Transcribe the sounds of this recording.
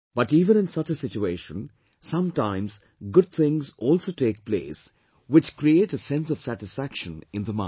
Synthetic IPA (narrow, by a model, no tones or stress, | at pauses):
b̥ʌʈiːvə̃nɨ̃nsʌt͡ʃəsɪt͡ʃueːʃə̃n | sʌ̃mtãɪ̃mz | ɡʊd̪̚t̪ʰɪ̃ŋzɔːlsoːʈeːk̚plḛːs | wɪt͡ʃkɾieːʈəsɛ̃nsɔv̥sæʈɨsfækʃə̃nɪ̃nðəmã̰